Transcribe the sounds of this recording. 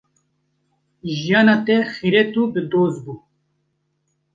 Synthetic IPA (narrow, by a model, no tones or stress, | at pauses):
ʒijɑːnɑːt̪ɛxiɾet̪uːbɨd̪oːzbuː